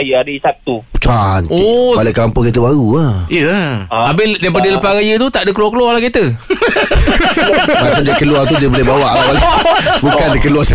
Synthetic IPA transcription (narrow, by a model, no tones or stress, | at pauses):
jəadəisak̚t̪upt͡ʃanopalakəlampɔŋkit̪̬əbaɾuaiəabɪdajp̬adələpaɣajət̪ut̪aʔdəkəluarkəluwarlakit̪ə | masat̪̚d͡ʒaikəluart̪̬udiəbolebawaʔawabukandəkəluarsa